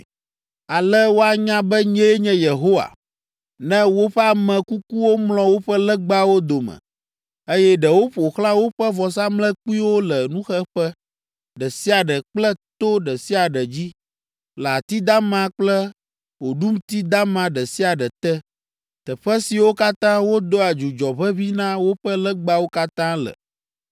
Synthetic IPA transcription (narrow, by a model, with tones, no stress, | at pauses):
a˨lɛ˦wo˦a˨ɲã˦bɛ˦ɲɛ̃˦ɲɛ̃˦je˨ɦo˦wa̰˨ | nɛ̃˦wo˦ɸɛ˦a˨mɛ̃˨ku˦ku˦wo˦mlɔ̃˨wo˦ɸɛ˦lɛ˦ɡ͡ba˦wo˦d̪o˨mɛ̰̃˨ | e˦jɛ˦ɖɛ˨wo˦ɸo˨xlã˦wo˦ɸɛ˦vɔ˨s̬a˦mlɛ̃˦k͡pu˦i˦wo˦lɛ˨nũ˦xɛ˦ɸɛ˦ | ɖə˨si˦a˨ɖə˨k͡plə˦t̪o˦ɖə˨si˦a˨ɖə˨d͡ʑi˦ | la˨t̪i˦d̪a˦mã˦k͡plə˦ | wo˨ɖu˦m˦t̪i˦d̪a˦mã˨ɖə˨si˦a˨ɖə˨t̪ɛ˦ | t̪ə˨ɸə˦si˨wo˦ka˦t̪ã˦wo˦d̪o˦a˨d͡ʒu˨d͡ʒɔ˨βə˦βi˦nã˦wo˦ɸə˦lə˦ɡ͡ba˦wo˦ka˦t̪ã˦lə̰˨